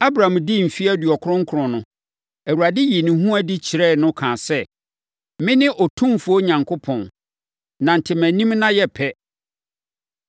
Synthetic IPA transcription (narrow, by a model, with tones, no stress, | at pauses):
a˦bɾã˨mdɪ˦m̩˨fi˦æ˦dɥɔ˨kʰʊ˦ɾʊ̃˦ŋ̩˦kʰʊ˨ɾɔ̃˨nʊ̃˨ | æ˨wu˨ɾa˨dɪ˦ji˨nɪ̃˨ɦũ˦æ˦di˦t͡ɕʰi˨ɾɛ˦˨nʊ̃˦kʰãː˨sɛ˦˨ | mɪ̃˦nɪ̃˦ʔɔ˨tʰũ˦mfu˨˦o˦ɲã˨ŋkʰo˦pʰɔ̃˨n | nã˨n̩˨tʰɪ˨mæ̃˨nĩ˦mnã˦jɛ˦pʰɛ˦